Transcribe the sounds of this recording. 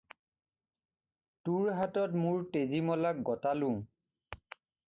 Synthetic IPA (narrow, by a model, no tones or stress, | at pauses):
tuɹɦatɔtmʊɹtezimɔlak̚ɡɔtalʊ̃